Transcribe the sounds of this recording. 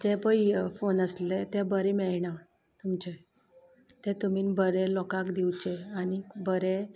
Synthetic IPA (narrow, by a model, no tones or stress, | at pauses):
d͡ʑepəfonəslet̪ebəɾemɛɭɳa | t̪umt͡ɕe | t̪ẽt̪umiːnbəɾelɔkakd̪iwt͡ɕeanibəɾe